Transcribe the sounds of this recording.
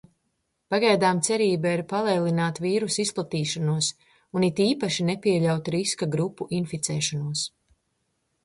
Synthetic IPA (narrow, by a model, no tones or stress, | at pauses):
paɡajd̪aːmt̪sɛɾiːbaiɾpalˠɛːlˠinaːt̪viːɾusisplˠat̪iːʃanuɔs | unit̪iːpaʃinɛpiɛʎawt̪ɾiskaɡɾupːuʔinfit̪sɛːʃanuɔs